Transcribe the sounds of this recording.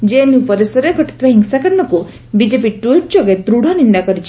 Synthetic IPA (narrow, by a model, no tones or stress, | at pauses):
d͡ʒeniupəɾesəɾeɡʱəʈʰə̥t̪ʋaɦĩŋɡsakəɽnɔku | bid͡ʒepiʈwiʈ̚d͡ʒɔɡet̪ɾuɽ̤ʱɔnind̪akɾit͡ʃʰe̥